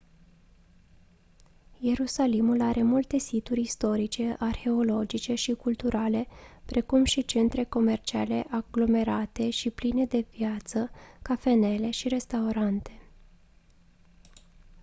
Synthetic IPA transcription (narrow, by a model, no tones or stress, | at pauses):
je̞ɾusalimulaɾʔe̞mult̪e̞sit̪uɾʲist̪o̞ɾit͡ʃe̞ʔarxe̞o̞lo̞d͡ʒit͡ʃe̞ʃikult̪uɾale̞pɾʔe̞kumʃit͡ʃe̞nt̪ɾe̞ko̞me̞rt͡ʃia̰le̞ʔaɡlo̞me̞ɾat̪e̞ʃipline̞d̪e̞vjat̪səkafe̞ne̞le̞ʃiɾe̞st̪auɾant̪e̞